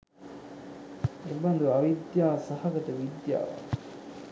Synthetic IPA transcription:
ebɐnd̪uɐʋid̪jaːsɐhɐɡɐt̪əʋid̪ja̰ːʋa̰

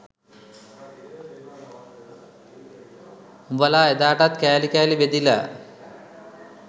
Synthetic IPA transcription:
umbəlaːed̪aːʈat̪kɛːlikɛːlibed̪ila̰

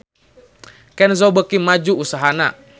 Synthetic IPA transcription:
kɛnzobəkimad͡ʒuːsaɦana̰

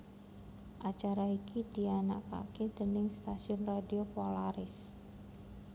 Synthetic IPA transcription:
ʔat͡ʃaɾaikidiana̰ʔka̰ked̪̥ənɪŋst̪asiʊnradiopolaɾɪs

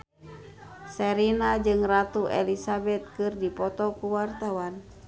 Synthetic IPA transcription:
sɛɾinad͡ʒɨŋrat̪uʔɛ̰lisabɛt̪̚kɨrdipɔt̪ɔkuwart̪awan

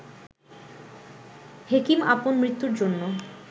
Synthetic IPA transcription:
hekimaponmɾit̪ːuɾd͡ʑonːo

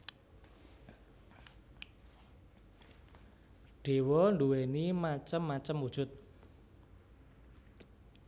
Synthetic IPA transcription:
ɖ̥e̤wɔnduwenimat͡ʃəmːat͡ʃəmwud̥ʒ̥ʊt̪̚

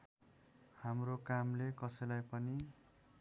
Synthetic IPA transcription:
hamrokamlekʌsʌjlajpʌni

